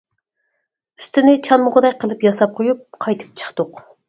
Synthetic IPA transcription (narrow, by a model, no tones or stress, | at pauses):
yst̪ɪnɪt͡ʃʰɑnmʊʁəd̪ɛjʲqʰəlˠɨpjɑsɑp̚qʰojup̚qʰɑjt̪ʰɨ̥p̚t͡ʃʰə̥χt̪ʊq